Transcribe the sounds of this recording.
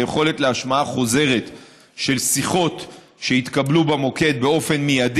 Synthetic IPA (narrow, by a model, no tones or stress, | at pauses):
jeχo̞le̞tleaʃmaaχo̞ze̞ʁe̞t̪ | ʃe̞lsiχo̞t | ʃeit̪kablubamo̞ke̞d̪̚be̞o̞fe̞nmijad̪